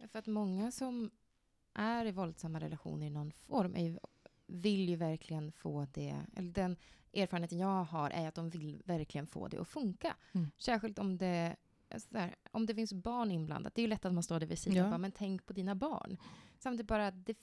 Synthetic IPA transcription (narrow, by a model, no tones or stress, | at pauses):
jafœɾat̪mɔŋːasɔm | ʔæɾɪvɔld̪samːaɾɛ̰laɧṵːnəɾɪnɔnːfɔɾmʔæ̰ɾjɵ | vɪljɵvæɾkʰlɪɡənfoːd̪ɛ̰ɛ̰lːəɖɛnʔeːɾfːɾənet̪ənjɑːɡɦaɾʔæ̰jat̪̚d̪ɔmvɪlvæɾklɪɡənfo̰ːd̪ɛ̰ʔɔfɵŋka̰sæːɾɧɪlt̪ɔmd̪ɛ | a̰ssæːɾʔɔmd̪ɛfɪnsbɑːɳɪnbla̰nd̪a̰t̪̚d̪ɛæjɵlɛt̪ːat̪̚manst̪oːɖæɾvɪsiːd̪abɑːmɛnt̪ʰɛŋkpʰɔd̪iːnabɑ̰ːɳsamt̪ʰiːt̪̚bɑːɾat̪̚d̪ɛ